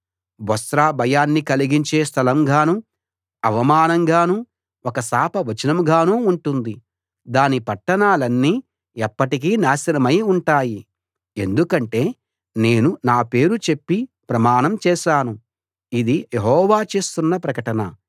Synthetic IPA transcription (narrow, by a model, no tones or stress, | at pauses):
bɐsɾaːbʱɐjaːnːikɐliɡiɲt͡ʃe̞ːst̪ʰɐlɐmɡaːnu | ɐʋɐmaːnɐŋɡaːnu | ɔkɐsaːpɐʋɐt͡ʃɐnɐmɡʱaːnuːuɳʈund̪i | d̪aːnipɐʈːɐnaːlɐnːiː | ɛpːɐʈik̬iːnaːʃɐɾɐmɐjuɳʈaːji | e̞̰nd̪ukɐɳʈe̞ː | ne̞ːnunaːpe̞ːɾut͡ʃe̞pːipɾɐmaːnɐmt͡ʃɛːʃaːnu | id̪ijeɦɔːʋaːt͡ʃeːst̪unːɐpɾɐkɐʈɐnɐ